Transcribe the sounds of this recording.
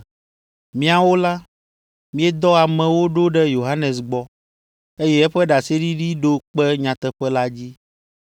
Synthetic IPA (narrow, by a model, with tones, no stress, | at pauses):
mĩ˦a˨wo˦la˦ | mĩ˦ɛ˦d̪ɔ˦a˨mɛ̃˨wo˦ɖo˦ɖɛ˦jo˨ɦa˦nɛ̃˨s̬ɡ͡bɔ˨ | e˦jɛ˦ɛ˦ɸɛ˦ɖa˨se˦ɖi˦ɖi˦ɖo˦k͡pɛ˦ɲã˨t̪ɛ˨ɸɛ˦la˦d͡ʑi˦